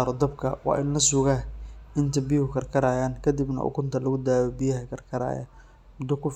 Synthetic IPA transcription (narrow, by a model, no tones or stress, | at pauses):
ɾɔd̪ɐbkʰɐ̰wɑ̰ːʔɪnlɐsʊɣaɪnt̪ʰɐbɪjhʊkʰɐrkʰɐɾaːjaːŋkʰɐd̪ɪbnɐ̰ʔʊ̰kʰʊnt̪ʰɐlɐɣʊd̪aːjɔbɪjɐhɐkʰɐrkʰɐɾa̰ːjɐ̰ | mʊd̪ʊkʰʊf